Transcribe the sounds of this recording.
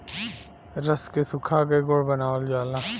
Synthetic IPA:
ɾəskesʊkʰakeɡoɽbənaːld͡ʒaːlaː

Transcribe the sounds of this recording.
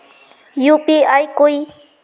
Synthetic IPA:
jʊpɪajkʊj

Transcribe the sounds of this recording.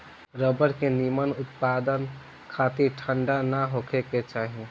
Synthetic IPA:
ɾəbəɾkenimənʊt̪pad̪ən | kʰat̪iʈʰəɳɖanaɦokʰeket͡ʃaːɦi

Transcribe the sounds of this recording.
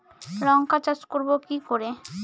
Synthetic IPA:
ɾɔŋkat͡ɕat͡ɕkoɾbokikoɾe

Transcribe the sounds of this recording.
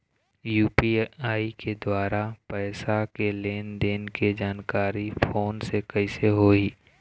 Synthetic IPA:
juːpiaːiked̪waːɾapɛːsakeleːnd̪eːnked͡ʒaːnkaːɾipʰoːnsekəɪseɦoːiː

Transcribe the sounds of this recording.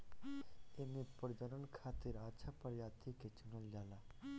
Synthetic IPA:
enepəɾd̪əɾənkʰaːt̪ɪɾaːt͡ʃʰaːpəɾjaːt̪ʰiket͡ʃʊnəld͡ʒaːlaː

